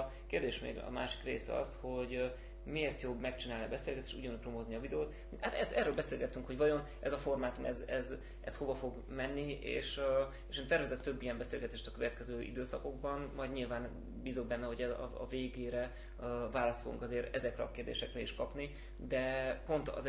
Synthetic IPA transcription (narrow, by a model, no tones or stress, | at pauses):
keːrd̪eːʃmḛːɡɒ̰maːʃi̥krḛːsɛ̰ɒ̰sho̞ɟ | meːrt̪jobːmɛkt͡ʃinaːlniɒbɛseːlɡɛt̪eːʃṵɟɒnupromo̞zniɒvid̪ɛoːt̪ | haːt̪ɛ̰st̪ɛ̰røːlbɛseːlɡɛt̪ːyŋkho̞ɟvɒjo̞n | ʔɛzɒfo̞rmaːt̪onɛzɛz | ɛ̰sho̞vɒfo̞ɡ | mɛnːiḛːʃ | eːʃeːnt̪ɛrvɛzɛt̪t̪øbːijɛmbɛseːlɡɛt̪eːʃt̪ɒkøvɛt̪kɛzøːʔḭd̪øːsɒko̞ɡbɒnmɒjd̪ɲilvaːn | biːzo̞ɡ̚bɛnːɛɦo̞ɟɛzɒ̰ɒ̰veːɡeːɾɛ | vaːlɒst̪foɡṵŋkɒzeːɾɛzɛkrɛɒkeːrd̪eːʃɛkrɛiʃkɒpni | d̪ɛpo̞nt̪ɒ̰z